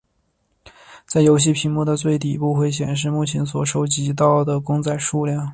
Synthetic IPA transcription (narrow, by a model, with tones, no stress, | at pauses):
t͡sa˥˩ɪjo˧˥ʊɕ̬i˥˩pʰi˧˥ŋmu˥˧d̪ə˩t͡swe˥˩ɪt̪̬i˨˩pu˥˧xwe˥˩ɪɕ̬jɛ̰˨˩nʂ̬ɻ̩˥˧mu˥˩t͡ɕʰjɛ˧˥nswɔ˨˩ʂo˧˥ʊt͡ɕi˧˥t̪̬ɑ˥˩ʊd̪ə˩kʊ˥ŋt͡sa˥˧ɪʂu˥˧ljɑ˥˩ŋ